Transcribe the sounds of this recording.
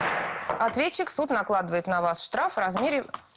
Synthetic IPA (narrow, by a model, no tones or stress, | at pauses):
ɐt̪vʲet͡ɕːɪksut̪nɐklˠad̪əvəɪt̪nɐvasʂt̪ɾafrɐzmʲeɾʲɪ